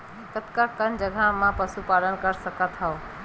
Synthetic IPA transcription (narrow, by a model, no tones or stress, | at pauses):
t̪ət̪kakənd͡ʒəɡʱamãpəsupalənkəɾsəkət̪ɦəo